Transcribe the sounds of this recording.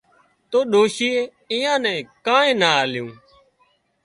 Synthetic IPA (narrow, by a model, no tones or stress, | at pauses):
t̪oːɗoːʃiːeː | ɪːãːnɛ̃ːkãːẽːnaːaːljũː